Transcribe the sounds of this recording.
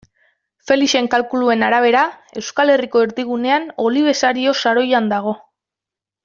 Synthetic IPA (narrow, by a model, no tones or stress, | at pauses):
fe̞liʃe̞ŋkalkulue̞naɾaβ̞e̞ɾae̞wskale̞riko̞eɾdiɣ̞une̞ano̞liβ̞e̞saɾio̞saɾo̞jand̪aɣ̞o̞